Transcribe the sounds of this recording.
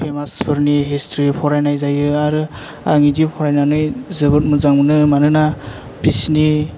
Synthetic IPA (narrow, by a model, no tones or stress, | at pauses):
pʰemaspʰɯɾniɦistʰɾipʰɔɾajnajzajɯaɾɯ | a̰ŋidipʰɔɾajnanɯjzɯbɯt̚mɯzaŋmɯnɯmanɯna | bisni